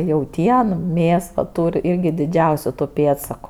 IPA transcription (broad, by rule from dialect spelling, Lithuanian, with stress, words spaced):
jɛʊˈtʲiɛn ˈmʲeːs ʋɐ ˈtuːrʲ ˈɪrʲɡʲɪ dʲɪˈd͡ʒʲɛʊsʲʊ tʊ ˈpʲeːtsɐkʊ